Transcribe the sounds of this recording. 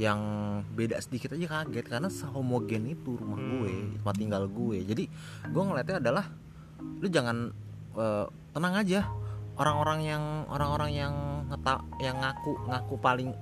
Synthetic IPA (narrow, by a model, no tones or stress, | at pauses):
jaŋbedaʔsədikit̪ad͡ʒakaɡɛt̪̚kaɾənasəɦomoɡɛnit̪uɾumahɡuḛt̪umat̪iŋɡalɡued͡ʒadi | ɡueŋəlɛt̪ɛadalah | lʊd͡ʒaŋan | ʔəː | t̪ənaŋad͡ʒaʔoɾaŋoɾaŋjaŋo̰ɾaŋoɾaŋjaŋːət̪aʔjaŋːakuʔŋakuʔpalɪŋ